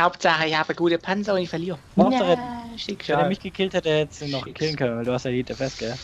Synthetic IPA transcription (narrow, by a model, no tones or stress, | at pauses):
haʊptz̥aχəɪçhaːbəɡuːtəpʰanzɐʊntɪçfɛɐliːʁəmsəʁɛʃɪkːdeːmɪçɡ̥əkʰɪlthɛtehɛtəsnɔχɡ̥kʰɪlən̩kʰœnənvaɪlduːhastjaditd̥eɛɐfɛskə